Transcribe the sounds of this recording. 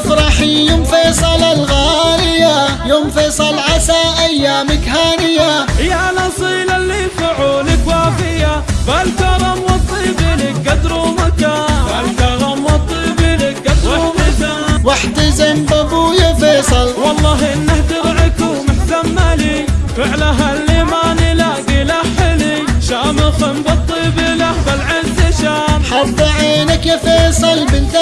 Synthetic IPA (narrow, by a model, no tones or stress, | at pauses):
fɾˤɑħijʊmfeːsˤɑlalɣaːlɪjːajʊmfesˤɑlʕasaʔajːaːmɪkhaːnɪjːajanɑsˤiːlalːifaʕuːlɪkwaːfɪjabalkɑɾˤɑmwɑt̪ˤːiːbɪlikad̪ɾumakabalkɑɾˤɑmwɑt̪ˤːiːbɪlikad̪ɾmakawaħt̪ɪzambabujafeːsˤɨlwɑlˤːɑːɦinːahd̪ɪɾʕɪkumɪħzamːalifɪʕlaɦalːimanɪlaɡɪlaħɪliʃaːmɪxɪmbɑt̪ˤːiːbɪlabalʕɪnt̪ɪʃaːmħɑb̪ˤɑʕeːnakafeːsˤɨlbɪnt̪